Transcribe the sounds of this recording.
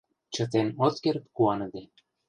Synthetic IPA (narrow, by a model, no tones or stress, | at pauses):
t͡ɕɤ̆t̪enot̪keɾt̪kuɑnɤ̆d̪ĕ